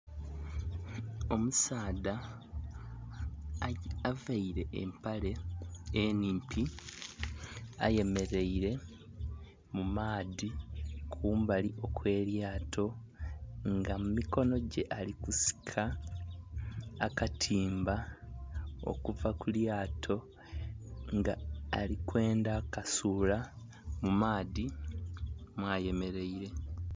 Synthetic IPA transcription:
o̞musaːda | avaiɾe̞ʔḛmpale̞eniːmpi | a̰je̞me̞ɾe̞iɾe̞ | mumaːðikʰuːmbaliʔo̞kwe̞ːɾjaːtʰo̞ | ŋɡamumiko̞no̞ɟe̞ʔalikusi̥kʰa | katʰiːmba | o̰kuvakuljaːtʰo̞ | ŋɡaːlikwe̞ːndakasuːla | mumaːði | mwaːje̞me̞ɾe̞iɾe̞

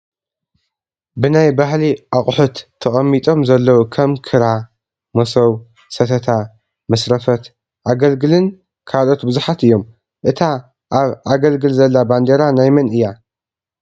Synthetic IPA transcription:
bɨnajbahliʔaχʼħut̪ʰːɐχʼɐmːit̪ʼo̞mzɐlːɐwukʰɐmkʰɨɾa | mɐsɐw | sɐt̪ʰɐt̪ʰa | mɐsɾɐfɐt̪ | ʔaɡɐlɡɨlɨn | kʰalo̞t̪bɨzuħat̪ɨjːo̞m | ʔɨt̪ʰa | ʔaβʔaɡɐlɡɨlzɐlːaband̪eɾanajmɐnɨjːa

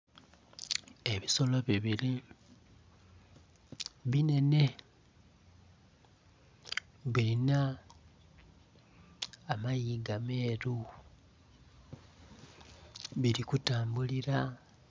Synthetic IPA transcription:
e̞βiso̞lo̞βiβiɾi | βine̞ne̞ | βilina | majiːɡame̞ːɾu | βiɾikutaːmbuliɾa

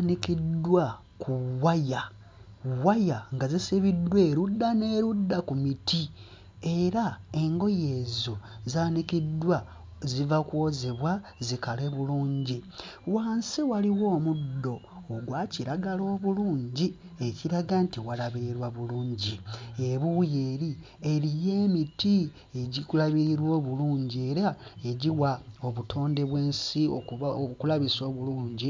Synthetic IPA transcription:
nikidwa | kʰuwaja | wajaŋɡazisiβidwe̞ːɾudːane̞ːɾudːakumiti | e̞ɾae̞ŋɡo̞je̞ːzozaːnikidːwa | zivakwo̞zeβwazikale̞βuluːɲɟi | waːnsiwaliwo̞ːmudːo̞ː | ɡwaciɾaɡalo̞ːβuluːɲɟi | e̞ciɾaɡantiwalaβiɾwaβuluːɲɟieβujeːɾi | e̞ɾije̞ːmiti | eɟikulaβiɾiɾwo̞ːβuluːɲɟie̞ɾae̞ɟiwaoβutʰo̞ːnde̞βwe̞ːnsio̰okulaβiso̞ːβuluːɲɟi

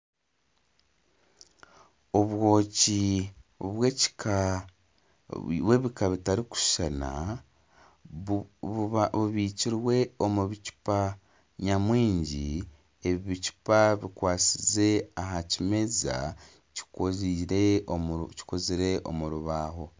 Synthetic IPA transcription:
oβwoːci | βwe̞ci̥ka | βwe̞βikaβitaɾiku̥ʃana̰ | βuβiciɾwe̞o̞muβicu̥pa | ɲamwiːɲɟi | e̞βiβicu̥paβikwaːt͡size̞aɦacime̞za̰ | ci̥koziɾeci̥koziɾe̞ʔo̞̰muɾuβaːɦo̞

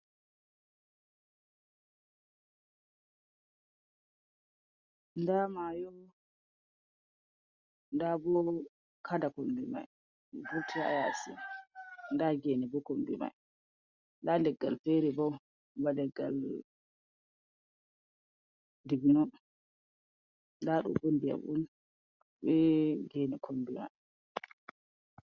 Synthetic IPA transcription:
ndamajɔ | ndabɔɔ | kʰadakombima̰j | ɡuɾtʰia̰jasḭnndaɡɛnɛbɔkombḭma̰j | ndandɛɡːa̰lfɛɾɛbɔw | badɛɡːa̰l | diɡinɔ | ndaɗṵmbondija̰mʔṵn | ɓɛɡɛnɛkʰombima̰j

